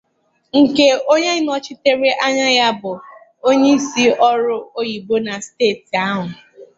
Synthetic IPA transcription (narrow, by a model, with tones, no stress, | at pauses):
ŋ̩˨ke˦o˦ɲe˦nɔ˦t͡ʃɪ˦te˦ɾe˦ʔa˦ɲa˦ja˦bʊ˨ | o˦ɲe˦i˦si˦ɔ˦ɾʊ˦o˦ji˨bo˦na˨steː˦˨ti˨a˦ɦʊ˨